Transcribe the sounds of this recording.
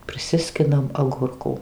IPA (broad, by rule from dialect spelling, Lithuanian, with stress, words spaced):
pʲrʲɪˈsʲɪsʲkʲɪnɐm ɐˈɡʊrkuː